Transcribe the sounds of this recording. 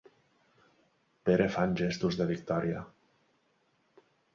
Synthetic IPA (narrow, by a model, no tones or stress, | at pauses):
peɾefanʲʒest̪uzðeβik̚t̪ɔɾja